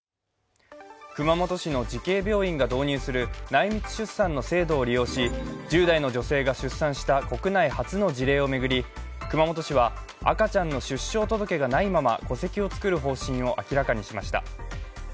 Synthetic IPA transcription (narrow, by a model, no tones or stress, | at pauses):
kɯ̟mamo̞t̪o̞ɕino̞d͡ʑike̞ːbʲo̞ːĩŋɡad̪o̞ːɲ̟ɨːsɨɾɯ̟naimʲit͡sɨ̥ɕɨsːãnːo̞se̞ːd̪o̞ːɾʲijo̞ːɕid͡ʑɨːd̪aino̞d͡ʑo̞se̞ːɡaɕɨsːãɰ̃ɕi̥t̪ako̞kɯ̟naihat͡sɨno̞d͡ʑiɾe̞ːo̞me̞ɡɯ̟ɾʲi | kɯ̟mamo̞t̪o̞ɕiβ̞a | a̰kat͡ɕãnːo̞ɕɨɕːo̞ːt̪o̞d̪o̞ke̞ɡanaimama̰ko̞se̞kʲio̞t͡sɨ̥kɯ̟ɾɯ̟ɦo̞ːɕĩɰ̃o̞ʔakʲiɾakaɲ̟iɕimaɕi̥t̪a̰